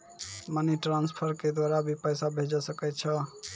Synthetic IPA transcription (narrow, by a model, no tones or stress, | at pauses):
məniʈɾanspʰəɾked̪waɾabʱipəjsabʱed͡ʒɔsəkɛt̪̚t͡ʃʰə